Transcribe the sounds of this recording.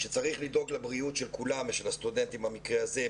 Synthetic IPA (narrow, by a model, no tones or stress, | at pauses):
ʃet͡saʁiχlid̪o̞ɡlebʁiutʃelkulameʃelhast̪udent̪imhamikʁeaze